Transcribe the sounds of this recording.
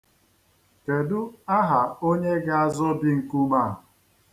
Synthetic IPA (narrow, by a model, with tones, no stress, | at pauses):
ke˨du˦a˦ɦa˨o˦ɲe˦ɡa˦a˦zɔ˦bi˦ŋ̩˨ku˦ma˦˨